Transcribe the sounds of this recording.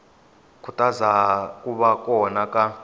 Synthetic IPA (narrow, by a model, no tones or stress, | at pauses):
kʰutʼazakʼuɓakʼɔnakʼa